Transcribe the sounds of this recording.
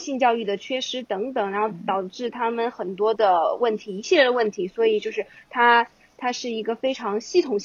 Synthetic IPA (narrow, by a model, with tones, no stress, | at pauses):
ɕi˥˧nt͡ɕjɑ˥˧ʊy˥˩d̪ə˩t͡ɕʰɥɛ˥ʂɻ̩˧˥t̪ɤ˧˥ŋt̪ɤ˨˩ŋɻa˧˥nxo˥˩ʊt̪ɑ˨˩ʊʈ͡ʂɻ̩˥˩t̪ʰa˥mə˨nxə˨˩nt̪wɔ˥d̪ə˨wə˥˩nt̪ʰi˧˥i˧˥ɕji˥˧ljɛ˥˩d̪ə˩wə˥˩nt̪ʰi˧˥swɔ˧˥i˨˩t͡ɕjo˥˧ʊʂɻ̩˥˩t̪ʰa˥ | t̪ʰa˥ʂɻ̩˥˩i˧˥ɡə˧fe˥ɪʈ͡ʂʰɑ˧˥ŋɕi˥˩t̪ʰʊ˨˩ŋ